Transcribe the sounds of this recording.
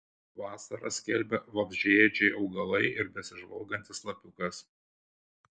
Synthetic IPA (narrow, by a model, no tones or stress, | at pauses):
ʋɑːsɐɾɐ̰sʲkʲɛlʲbʲɛʋɐbʲʒʲiɛd͡ʒʲɛɪʔɒʊɡɐlˠɐɪʔɪɾbʲɛsʲɪʒʋɐlˠɡɐnʲt̪ʲɪslˠɐpʲʊkɐs